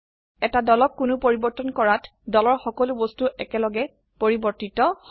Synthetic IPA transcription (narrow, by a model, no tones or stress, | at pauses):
ɛtadɔlɔkːunupoɹibɔɹtɔnkɔɹatdɔlɔɹxɔkɔlubostuʔɛkɛlɔɡɛ | poɹibɔɹtitɔh